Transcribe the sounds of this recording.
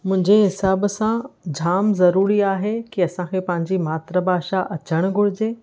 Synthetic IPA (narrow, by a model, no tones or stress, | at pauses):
mʊ̃ɦɪ̃ɲd͡ʑeɦɪsaːbsãd͡ʑʱaːmzɐɾuːɾiaːɦekiɐsãkʰeːpɐ̃ɦɪ̃ɲ̆d͡ʑimaːt̪ɾəbʱaːʃaʔɐt͡ɕəɽ̃ʊɡʱʊɽɪd͡ʑeː